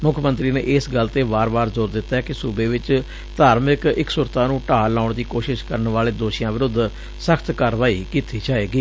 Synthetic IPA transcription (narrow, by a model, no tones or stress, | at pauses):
mʊkʰmənt̪ɾiːnḛːʔɪsɡəlt̪eːbaːɾbaːɾzoːɾd̪ɪt̪ːaːɦɛːkɪsuːbeːʋɪt͡ʃ | t̪aːɾmɪkɪksʊɾt̪aːnũːʈaːlaːʊɳd̪iːkoːʃɪʃkəɾənʋaːleːd̪oːʃijãːʋɪɾʊd̪ʱ | səkʰt̪kaːɾʋaːiːkiːt̪ʰiːd͡ʒaːeːɡiː